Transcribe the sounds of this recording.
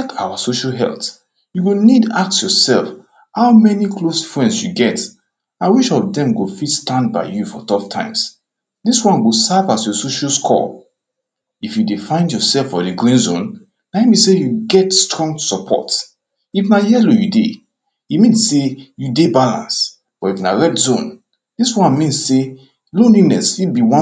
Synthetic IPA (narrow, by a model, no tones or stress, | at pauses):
akʰa̰wasoʃalɦɛ̰lt | juwunidak̚tsjɔsɛlf | haʊmɛnikʰlosfɹɛ̃nsjuɡɛt | aɪwiʃɔðɛ̃mɡofitstãndba̰ɪjufɔ̰tʰɔftʰã̰ɪ̃ms | diswɔ̃nɡosavasjosoʃalskʰɔ̰ | ifjudefãɪ̃ndjɔsɛlfɔdeɡɹĩnzõn | naɛmĩsejuɡɛtstɹɔ̃ŋɡsɔpʰɔ̰t | ifnajɛlojude | imĩnssejudebalã̰ns | b̥ɔifnaɹɛtzõn | diswãnmĩnsse | lõnlinɛsibiwã